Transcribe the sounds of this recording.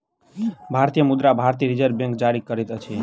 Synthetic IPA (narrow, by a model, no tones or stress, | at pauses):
bʱaɾt̪ijəmud̪ɾabʱaɾt̪iəɾid͡ʒəɾbjẽŋkd͡ʒaɾikəɾɛt̪ət͡ʃʰe